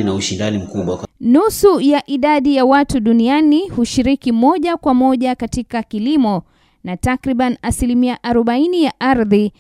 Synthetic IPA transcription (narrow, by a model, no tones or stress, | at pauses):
inauʃindanim̩kuɓwanusujaʔiɗaɗijawatuɗunianihuʃiɾikimɔʄakwamɔʄakatikakilimɔ | natakɾiɓanasilimiaʔaɾɔɓainijaʔaɾði